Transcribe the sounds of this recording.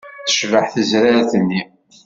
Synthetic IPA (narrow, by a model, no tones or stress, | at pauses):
θə̥ʃvəħθəzɾaɾθənːi